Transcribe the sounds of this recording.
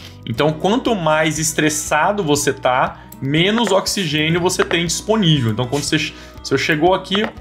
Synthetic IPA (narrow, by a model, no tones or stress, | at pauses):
ẽnt̪ɐ̃w̃kwɐ̃nt̪ʊmajzɪst̪ɾesad̪ʊvoset̪a | mẽnʊzoksiʒẽnjʊvoset̪ẽj̃d͡ʒisponivew̃t̪ɐ̃kɐ̃d̪ʊseʃ | oseʃeɡowaki